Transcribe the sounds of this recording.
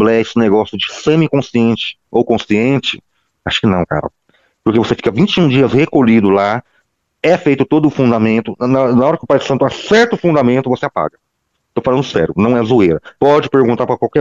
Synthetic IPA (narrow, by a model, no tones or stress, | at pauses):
blɛsɪ̃neɡɔsjʊd͡ʒɪsẽmɪkõsiẽnt͡ʃɪ̥owkõsiẽnt͡ʃɪ̥ | aʃʊ̥kɪnɐ̃w̃ka̰ɾɐ̰ | pʊɾkevosefi̥kɐvĩt͡ʃɪũd͡ʒiɐshekoʎid̪ʊla | ɛfejt̪ʊt̪od̪ʊːfũd̪amẽnt̪ʊnnɐɔɾɐkɪʊpajd̪ɾɪsɐ̃t̪ʊasɛɾt̪ʊfũnd̪amẽnt̪ʊvoseapa̰ɡɐ | t̪ofalɐ̃nd̪ʊsɛ̰ɾjʊnɐ̃w̃ɛzuejɾɐpɔd͡ʒɪpeɾɡũnt̪aɾpɾɐkwawkɛ